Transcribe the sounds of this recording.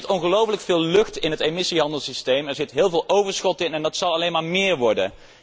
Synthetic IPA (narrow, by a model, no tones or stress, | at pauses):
tɔnχəlowfələkfɪːlˠlɵxtɪnɦətemɪsiɦɑndəlˠsistejmɛɹzɪtɦɪːlˠvɪːlˠʔowvəɹsχɔtɪnɛndɑtsɑlˠɑlejnmaːɹmɪːɹʋɔɹdə̰n